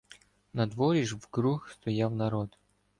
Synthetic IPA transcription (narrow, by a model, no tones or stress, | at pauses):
nɐd̪ʋɔɾʲɪʒʋɡɾuxst̪ɔjawnɐɾɔd̪